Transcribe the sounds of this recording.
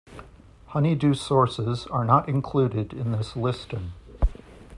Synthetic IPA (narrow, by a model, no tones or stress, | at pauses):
hʌnidʉsɔɹsɪzə˞nəɾɨ̃nkʰl̥ʉɾɪɾɪ̃nðɪslɪstɪ̃ŋ